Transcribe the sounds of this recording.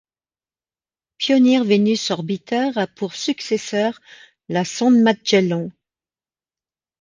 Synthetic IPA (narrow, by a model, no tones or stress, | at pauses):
pjɔnjɛʁvenysɔʁbit̪œʁapuʁsyksesœʁ | lasɑ̃d̪mat̪̚ʒ̥ɛlɔ̃